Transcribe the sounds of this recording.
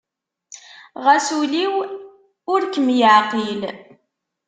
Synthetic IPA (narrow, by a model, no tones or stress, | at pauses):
ʁæsuliw | ʊɾkəmjəʕqil